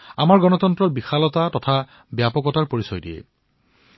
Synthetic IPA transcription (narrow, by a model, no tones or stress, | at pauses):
amaɹɡɔnɔtɔntɹɔɹbixalɔtatɔtʰa | bjapɔkɔtaɹpoɹisɔjdiɛ̰